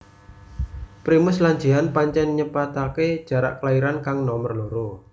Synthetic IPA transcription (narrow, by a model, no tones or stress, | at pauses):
pɾimʊslaɲd͡ʒiɦanpaɲt͡ʃɛnɲəpat̪aked̥ʒ̥a̤ɾa̰ʔklaiɾankaŋnɔmərloɾo